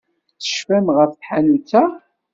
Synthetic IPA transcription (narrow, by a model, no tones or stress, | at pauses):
θə̥ʃfæmʁəfθħanut͡sːæ